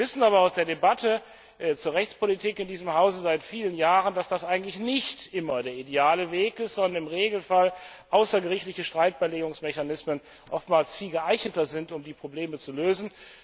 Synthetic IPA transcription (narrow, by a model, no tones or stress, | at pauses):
vɪsn̩aːβɐaʊsd̥eːɐdebatʰə | t͡suːɐʁɛçt͡spolitʰiːkɪndiːzəmɦaʊzəzaɪtfiːlənjaːʁəndasd̥asʔaɪɡŋ̩tlɪçnɪçtʔɪmɐdeːɐʔideaːləveːkɪstz̥ɔndɐnɪmʁeːɡl̩fal | ʔaʊsɐɡəʁɪçtlɪçəʃtʁ̥aɪt̚b̥ɛleːɡʊŋsmɛçanɪsmən | ʔɔftmaːlsfiːlɡəʔaɪçnətɐzɪntʊmdiːpʁ̥obleːmət͡suløːzn̩